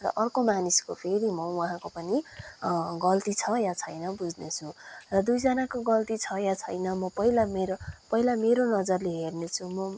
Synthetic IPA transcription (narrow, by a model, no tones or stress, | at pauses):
rʌ̰ʔʌrkomaniskopʰeɾimʌwʌɦãkopʌni | ɡʌlt̪it͡sʰʌjat͡sʰʌjnʌbud͡znet͡sʰurʌd̪ujd͡zʌnakoɡʌlt̪it͡sʰʌjat͡sʰʌjnʌmʌpʌɦilameɾopʌɦilameɾonʌd͡zʌrleɦernet͡sʰumʌ